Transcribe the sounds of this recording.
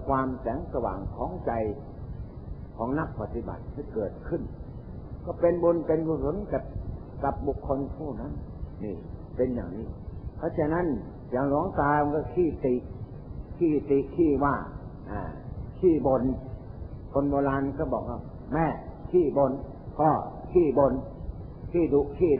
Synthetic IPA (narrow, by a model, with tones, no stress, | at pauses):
kʰwaː˧msɛː˨˦ŋsa˧wa̰ː˨˦ŋkʰɔː˨˦ŋt͡ɕa˧j | kʰɔː˨˦ŋna˧˥˩k̚pa˧t̪ːi˧ba̰˨˩t̪̚hʰi˧˥˩kɤː˨˩t̪̚kʰɯ˧˩˨n | kɔ˧˩pe˧nbo˧npe˧nkuː˧˩so˨˦nka˧˩p̚ | ka˨˧˩p̚bu˨˩kʰːo˧np̪ʰuː˧˥˩na˧˥˨nːiː˧˩pe˧nja̰ː˨˩ŋniː˧˥˩pʰa˧˥˩t͡ɕʰa˧˨na˦˥˨n | jaː˨˩ŋluː˨˦əŋkaː˧jm˧ŋkɔː˧˩kʰiː˧˥˩t̪i˨ʔ | kʰiː˧˥˩t̪i˨kʰiː˧˥˩waː˧˥˩ʔa̰ː˧˩kʰiː˥˩bo˧n | kʰo˧nbɔː˧laː˧nkʰaː˧˥˩bɔː˨˩k̚waː˧˩w | mɛː˧˥˩kʰiː˥˩bo˧n | kʰɔ˧˥˩kʰiː˧˥˩bo˧n | kʰiː˧˥˩du˧ʔkʰiː˥˩